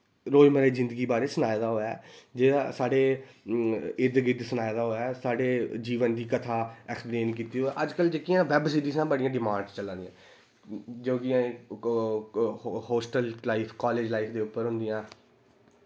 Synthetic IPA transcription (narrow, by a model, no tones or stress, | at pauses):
ɾoːiməɾeːzɪ̃nd̪əɡiːbaːɾeːsənaːjd̪aːɦoːja̰ːd͡ʒeːasaːɖeː | ɪd̪ɡɪd̪sənaːjd̪aːɦoːɛːsaːɖeːd͡ʒiːʋənd̪iːkət̪ʰaːɛkspɾeːnkiːt̪iːɦoːɛːʔəd͡ʒkəld͡ʒekːɪjãːʋɛbsiːɾiːsãːbəɖɪjãːɖɪmãːɳst͡ʃəlːãːnd̪ɪjã̰ː | d͡ʒoːɡɪjãː | hoːsʈəllaːipʰkɔːleːd͡ʒlaːiːpʰd̪eːʊpːəɾɦʊ̃nd̪ɪjãː